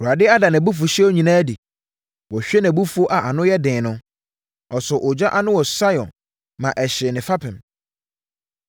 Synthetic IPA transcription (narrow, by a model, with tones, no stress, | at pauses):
u˨a˨dɪ˦a˦da˨nã˨bu˦fu˨ɕɛ˦o˦ɲĩ˨nãː˦di˨ | wɔ˨ɕᶣɛ˦nã˨bu˦fu˦o˦ʔa˨ʔa˨nʊ̃˦jɛ˦dɪ̃ː˨nʊ̃˦ | ɔ˨sɔ˨ʔɔ˨d͡ʑᶣa˦ʔa˦nʊ̃˦wɔ˨sa˦ɔ̰̃˨n | mã˨ʔɛ˨ɕɪ˨nɪ̃˨fa˦pʰɪ̃˨m